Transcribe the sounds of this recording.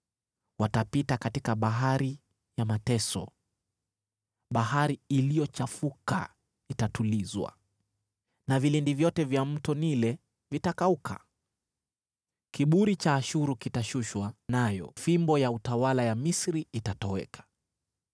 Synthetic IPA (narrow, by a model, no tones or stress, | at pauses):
watapitakatikaɓaɦaɾi | jamatɛsɔ̰ | ɓaɦaɾiːlijɔt͡ʃafuka̰ | itatulizwa̰ | navilindivjɔtɛvjam̩tɔnilɛ | vitakaukʰa̰ | kiɓuɾit͡ʃaːʃuɾukitaʃuʃwanajɔ̰fimbɔjautawalajamisɾiitatɔwɛ̰kʰḁ